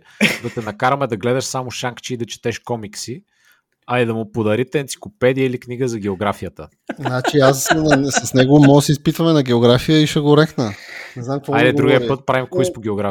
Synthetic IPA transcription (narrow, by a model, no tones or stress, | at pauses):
d̪ɐt̪ɛnɐkaɾɐmɛd̪ɐɡlɛd̪ɐʃsamʊʃaŋkt͡ʃɛid̪ɐt͡ʃɛ̥t̪ɛʃkɔmiksi | ɐid̪ɐmʊpod̪ɐɾit̪ɛɛːnt̪si̥klopɛd̪ijəilikniɡəzɐɡ̟ɛoɡɾafijət̪ə | znat͡ʃiassɐsnɛɡomɔsɛispit̪vɐmɛnɐɡɛoɡɾafijəiʃɛɡoɾɛxnənɛznamkvɔad̪ɛd̪ɾuɡʲiəpɤt̪̚pɾavimkoispoɡ̟ʲɛoɡɾa